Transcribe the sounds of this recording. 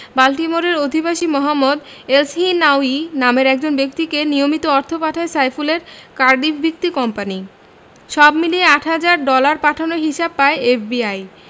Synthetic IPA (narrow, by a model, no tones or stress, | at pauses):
balʈimoɾeɾod̪ʱibaʃimɔɦamːod̪ | elsɦinawinameɾɛk̚d͡ʑonbek̚t̪ikenijomit̪oɔɾt̪ʰopaʈʰaesajfuleɾkaɾɖifbʱik̚t̪ikɔmpani | ʃɔbmilieaʈʰɦad͡ʑaɾɖɔlaɾpaʈʰanoɦiʃab̚paeefbiaj